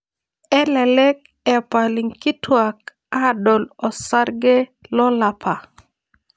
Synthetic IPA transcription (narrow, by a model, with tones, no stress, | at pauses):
ɛ˦lɛ˨lɛ˦k̚ | ɛ˨pa˨li˨ŋki˦twa˨k̚ | a˦dɔ˨lɔ˨sa˦ɾɡɛ˦lɔ˦la˨pʰa˨